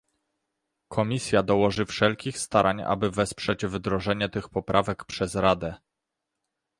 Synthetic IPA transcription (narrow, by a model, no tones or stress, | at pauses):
kʰɔmʲisʲjad̪ɔwɔʐɘfʂɛlkʲixst̪aɾʔaɲa̰bɘvɛspʂɛd͡ʑvd̪ɾɔʐɛɲɛt̪ɘxpɔpɾʔavɛkpʂɛzɾad̪ɛ